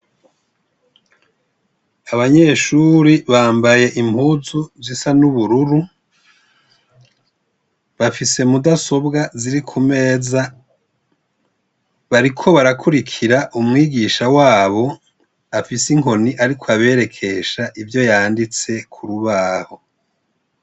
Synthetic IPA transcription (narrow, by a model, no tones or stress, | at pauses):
aβaɲe̞ːʃuɾiβaːmbaje̞ʔim̥huːzuzisanuβuɾuɾu | βafise̞mudaso̞bɡaziɾikʰume̞ːza | βaɾikʰo̞βaɾakʰuɾikʰiɾaʔumŋiːɡiːʃawaːβo̞ | afisiŋɦo̞niʔaɾikʰoaβe̞ːɾe̞kʰe̞ʃaʔivjo̞jaːndit͡se̞kʰuɾuβaːho̞